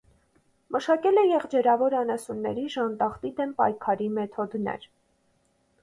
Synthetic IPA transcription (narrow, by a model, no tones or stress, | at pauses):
məʃɑkɛlɛjɛʁd͡ʒɛɾɑvɔɾɑnɑsunːɛ̰ɾiʒɑnt̪ɑχt̪id̪ɛmpɑ̰jkʰɑɾimɛt̪ʰɔd̪nɛ̰ɾ